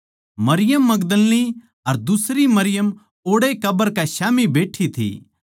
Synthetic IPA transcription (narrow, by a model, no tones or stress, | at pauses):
mɐɾɪjəmːɐɡd̪əlni | ɐɾd̪ʊsɾimɐɾɪjəm | oːɽekɐbəɾkɛʃaːmibeːʈʰːit̪ʰḭː